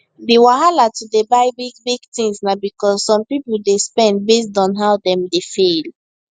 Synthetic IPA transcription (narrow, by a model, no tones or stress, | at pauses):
dewaɦalatudebaɪbiɡbiɡtĩŋsnabikɔsːɔ̃mpipuldespɛ̃nd̚bes̬dɔ̃nɦaʊdɛ̃mdefel